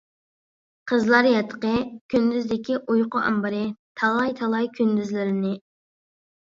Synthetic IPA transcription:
qʰəzlˠɑɾjɛt̪ʰːə̥qəkʲʰynd̪yzd̪ɪkʲʰiʔujqʊʔɑ̰mbɑɾɨt̪ʰɑlˠɑjt̪ʰɑlˠɑjkʲʰynd̪yzlɪɾɪnɪ

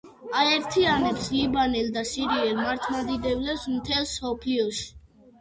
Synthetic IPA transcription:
aɛɾt̪ʰianɛpslibanɛld̪asiɾiɛlmaɾt̪ʰmad̪id̪ɛvlɛpsmt̪ʰɛlsɔpʰliɔʃi̥

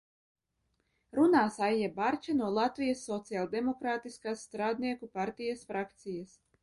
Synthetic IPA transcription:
ɾunaːsajiɛbaɾt͡ʃʲanuɔlˠat̪vijasːɔt̪sialˠd̪emɔkɾaːt̪iskaːsːt̪ɾaːd̪niɛkupaɾt̪ijasfɾʔakt̪sijas

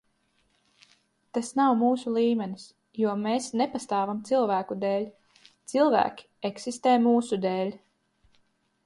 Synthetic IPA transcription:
t̪asnawmuːsulˠiːmʲɛnis | juɔmeːsnepast̪aːvamt̪silˠvæːkud̪ɛːlʲ | t̪silˠvæ̰ːkʲi̥eksist̪eːmuːsud̪eːlʲ

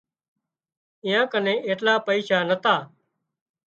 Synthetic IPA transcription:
ɪ̃jãːkənẽːeːʈlaːpəiːʃaːnət̪aː

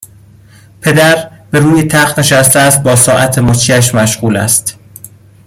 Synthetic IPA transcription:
pʰe̞d̪æɾbeɾuːjet̪ʰæxt̪ne̞ʃæst̪eæst̪̚bɒːsɒːʔæt̪ʰemot͡ʃʰiːæʃ̬mæʃɢuːlæ̰st̪

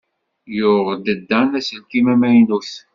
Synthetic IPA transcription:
jʊʁd̪əd̪ːænæsəlkimæmæjnuθ

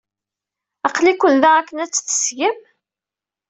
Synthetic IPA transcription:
ɑqlikʷːənðæʁækːənæt͡sːθə̥sʝəm

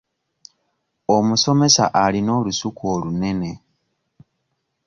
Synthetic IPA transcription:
o̞muso̞me̞sa̰ʔalino̞ːlusukoːlune̞ne̞

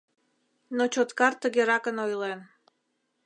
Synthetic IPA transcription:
not͡ɕot̪kɑrt̪əɣeɾɑkənojlen

